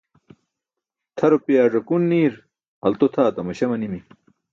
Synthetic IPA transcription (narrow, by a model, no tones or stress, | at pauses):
t̪ʰɐɾopijaːʐɐkunːiːɾ | ɐlt̪ot̪ʰaːt̪ɐmɐɕɐmɐnimi